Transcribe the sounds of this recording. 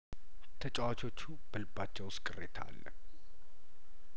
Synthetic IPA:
t̪ʰət͡ʃʼawat͡ʃʰʼo̞t͡ʃːub̥əlɨbːat͡ʃːɛwskʼɨrːet̪ʰa̰lː

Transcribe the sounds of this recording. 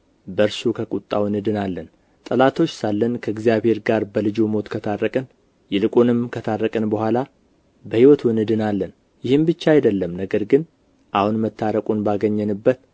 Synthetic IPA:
bəɾsukʰəkʼut̪ʼːawɨnɨd̪ɨnalːən | t̪ʼəlat̪ʰo̞t͡ʃːsalːənkʰəɪɡzjaβhe̞ɾɡaɾbəlɨd͡ʒumo̞t̪kʰət̪ʰarːəkʼɨn | jɪlɨkʼunɨmkʰət̪ʰaɾːəkʼɨnbəhʷala | bəhiwɔt̪wʊnɨd̪ɨnalːən | jɪhɨmbɨt͡ʃːaajd̪əlːəmnəɡəɾɡɨn | ʔahunmət̪ʰːaɾəkʼunbaɡəɲːɛnɨbːət̪

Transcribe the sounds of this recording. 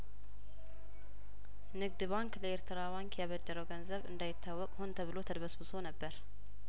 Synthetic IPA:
nɨɡd̪baŋkləeɾt̪ʰɨɾaβaŋkjaβəd̪ːəɾəwɡənzəβɨ̰nd̪ajɪt̪ʰːawːɔkʼhont̪ʰəβɨlo̞t̪ʰəd̪βəsbɨsonəbːəɾ

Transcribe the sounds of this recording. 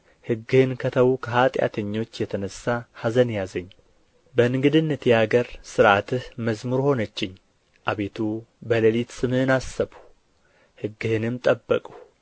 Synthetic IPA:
hɨɡːɨhɨnkʰət̪ʰəwukʰəɦat̪ʼja̰t̪ʰəɲːo̞t͡ʃːjɛt̪ʰənəsːahazənjazəɲː | bəɨnɡɨd̪ɨnːɨt̪jaɡəɾsɨɾʔat̪ɨhməzmuɾho̞nət͡ʃːɪɲː | ʔaβe̞t̪ʰubələlit̪sɨmɨhɨnasːəbu | hɨɡːɨhɨnɨmt̪ʼəbːəkʼu

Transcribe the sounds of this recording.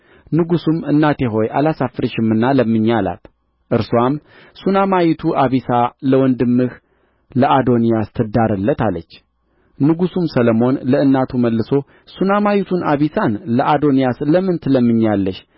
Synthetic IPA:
nɨɡusumɨnːat̪ʰe̞ɦo̞jʔalasafɨɾɨʃɪmːɨnːaləmːɨɲːala̰t̪ | ʔɨɾsam | sunamajit̪ʰuʔaβisaləwɔnd̪ɨmːɨh | ləʔad̪o̞nijast̪ʰɨd̪ːaɾɨlːət̪ʰalət͡ʃː | nɨɡusumsələmo̞nləɨnːat̪ʰuməlːɨso̞ | sunamajit̪ʰunaβisanləʔad̪o̞nijasləmɨnt̪ʰɨləmːɨɲːalːəʃ

